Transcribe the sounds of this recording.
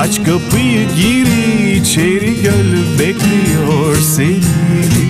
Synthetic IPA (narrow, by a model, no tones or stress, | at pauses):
ɐt͡ʃkɐəpiɡiːɾit͡ʃʰeːɾiɡɐlbeːkʰliɔɾseːiɾi